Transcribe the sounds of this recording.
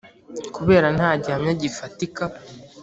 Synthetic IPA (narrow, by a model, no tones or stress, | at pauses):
kuβe̞ːɾanhaːɟihamɲaɟifatika